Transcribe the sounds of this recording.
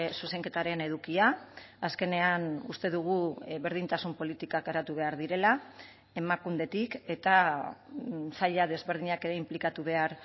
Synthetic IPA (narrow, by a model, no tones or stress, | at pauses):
suse̞ŋke̞t̪aɾe̞ne̞ðukiaːske̞ne̞anust̪e̞ðuɣ̞uβe̞ɾð̞int̪asumpo̞lit̪ikakaɾat̪uβe̞aɾðiɾe̞la | e̞makumd̪e̞t̪ike̞t̪a | saʎað̞e̞zβe̞ɾð̞iɲake̞ɾe̞implikat̪uβ̞e̞aɾ